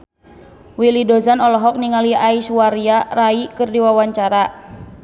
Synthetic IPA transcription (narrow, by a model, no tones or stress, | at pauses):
wilidozanɔlɔɦɔk̚niŋaliaiswaɾiaraikɨrdiwawaɲt͡ʃaɾa